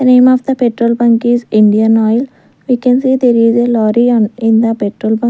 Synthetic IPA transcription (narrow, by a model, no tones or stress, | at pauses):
d̪ənẽːmɔʋd̪əpeʈɾoːlbɐ̃ŋkizɪ̃ɳɖiə̃nɔɪl | ʋiːkɛ̃nsiːd̪eɾizelɔːɾiɔ̃nɪ̃nd̪əpeʈɾoːlbã